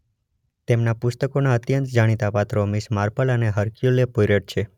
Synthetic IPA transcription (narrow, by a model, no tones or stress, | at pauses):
t̪emnapʊst̪əkonaət̪jənt̪d͡ʒaɽ̃it̪apat̪ɾomiʃmaɾpʰələneɦəɾkjulepoɾeʈ̚t͡ʃʰe